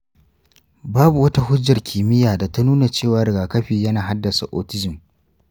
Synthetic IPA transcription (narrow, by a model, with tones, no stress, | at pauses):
baː˦bu˨wɐ˦ta˦ɦʊ˦d͡ʒːɐ˨rkʲʰiː˨mɪ˦jaː˨da˨ta˦nuː˦na˨t͡ʃeː˦˨waː˦ɾɪ˨ɡaː˨kɐ˦ɸiː˨jɐ˦naː˨ɦa˦dːɐ˨sa˨ʔoː˨tɪ˦zɪ˨m